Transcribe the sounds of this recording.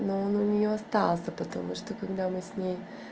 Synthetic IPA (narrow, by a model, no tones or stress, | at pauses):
nononʲiost̪asɐpɐt̪omuʃt̪okɐɡd̪amɛsnʲɛ